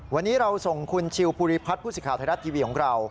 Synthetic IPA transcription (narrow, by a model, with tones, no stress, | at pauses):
wa˧nːiː˦˥ɾa˧wso˨˩ŋkʰu˧nt͡ɕʰi˧wpʰuː˧ɾiː˧˥pʰa˦˥t̪̚pʰuː˥˩sɯː˨˩kʰaː˩t̪ʰa˧ɾa˦˥t̪ʰiː˧wiː˧kʰɔː˩˦ŋɾa˧w